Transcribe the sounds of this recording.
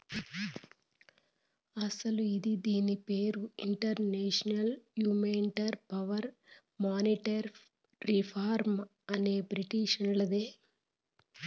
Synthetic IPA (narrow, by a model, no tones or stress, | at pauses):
ɐsɐluid̪id̪iːnipeːɾuiɳʈɐɾneːʂɐnɐljuːmeɳʈɐɾpɐʋɐɾ | maːniʈɐɾ | ɾipʰaːɾm | ɐne̞ːbɾiʈiʃunlɐd̪eː